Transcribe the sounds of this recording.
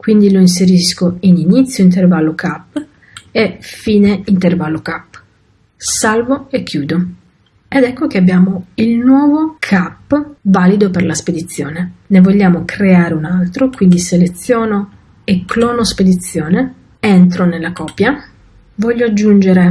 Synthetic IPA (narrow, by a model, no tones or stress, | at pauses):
kwind̪iloins̬eɾiskoininit̪sːjoint̪̬ervalːokapː | efiːneint̪ervalːokapː | salvoekʰːjuːd̪o | ɛd̪ɛkːokeabjaːmoilnwɔːvokʰapːvaːlid̪operlasped̪it̪sːjoːnenevoʎːaːmokʰɾeaːɾeunalt̪ɾokwind̪iselet̪sːjɔːno | ekːlɔːnosped̪it̪sːjɔːne | ent̪ɾonelːakɔːpːja | vɔʎːoad͡ʒːund͡ʒeɾe